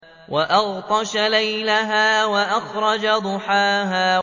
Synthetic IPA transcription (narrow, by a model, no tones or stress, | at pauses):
waʔɑɣt̪ˤɑʃalajlaɦaːwaʔaxɾˤɑd͡ʒad̪ʊħaːɦaː